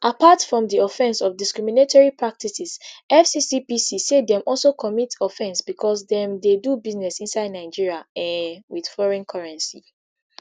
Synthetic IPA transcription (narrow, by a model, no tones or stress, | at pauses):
ʔapatfɹɔ̃mdiɔfɛ̃nsɔfdiskɹiminetʰɔɹipʰɹak̚tisisʔɛfsisipisisedɛ̃mʔɔlsokʰɔmitʰɔfɛ̃nsb̥ikʰɔsdɛ̃mdedubiznɛsĩnsaɪdnaɪd͡ʒiɹiaɛ̃nwið̥fɔɹɛ̃nkʰaɹɛ̃nsi